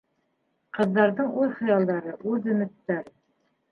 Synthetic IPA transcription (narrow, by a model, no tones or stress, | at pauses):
qɤ̆ðːɑɾðɤɴuðχɤ̆jɑlˠd̪ɑɾɤʔʉðɵ̆mɘ̆t̪ːæɾ